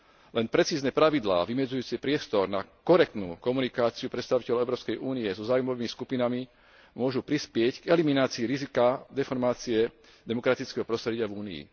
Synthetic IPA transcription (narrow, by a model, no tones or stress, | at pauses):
lɛnpɾɛt͡siːznɛpɾaʋid̪la̰ːʋimɛd͡zujuːt͡siɛpɾɪɛst̪ɔɾna̰kɔɾɛk̚t̪nṵːkɔmunikaːt͡siupɾɛt̪st̪aʋicɛlɔɛʊɾɔːpskɛjuːniɛzɔzaːujmɔʋiːmiskupinami | mʊɔʒupɾispɪɛcɡɛliminaːt͡siːɾizikad̪ɛfɔɾmaːt͡siɛ | d̪ɛmɔkɾat̪it͡skɛɦɔpɾɔst̪ɾɛɟɪavuːniḭ